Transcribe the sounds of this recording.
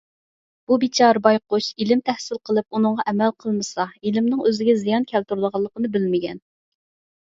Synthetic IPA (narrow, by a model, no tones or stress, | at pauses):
b̥ubit͡ʃʰɑɾbɑjqʊʃilɪmt̪ʰɛhsɪlˠqʰəlˠɨp̚unɨɴʁɑʔɛmælqʰəlˠmɨsɑilɪmnɪŋøzɪɡʲɛzijɑnkʲʰɛlt̪uɾlˠəʁɑlˠːəqənɨbɪlmɪɡʲɛn